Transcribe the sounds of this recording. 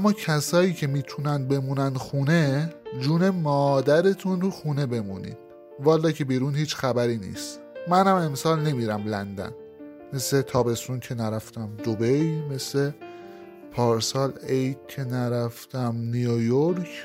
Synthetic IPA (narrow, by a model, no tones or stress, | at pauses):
ʔæmːɒːcʰæsɒːjiːcʰe̞miːt̪ʰunæn̚be̞muːnænd̪xuːne̞d͡ʒuːne̞mɒːd̪æɾe̞t̪ʰunɾuxuːne̞be̞munḭːd̪̥ | vɒːlːɒːcʰe̞biɾuːnhiːt͡ʃxæbæɾiːnḭːst̪ | mænhæme̞msɒːlne̞miɾæmlænd̪æ̰n | me̞sle̞t̪ʰɒːbe̞st̪uncʰe̞næɾæft̪æmd̪obe̞jme̞sle̞ | pʰɒːɾsɒːlejt̪̚cʰe̞næɾæft̪ʰæmnijojoɾcʰ